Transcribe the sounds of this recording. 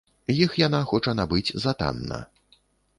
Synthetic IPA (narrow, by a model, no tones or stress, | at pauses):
jixjanaxɔt͡ʂɐnabɨd͡zʲzat̪a̰nːɐ̰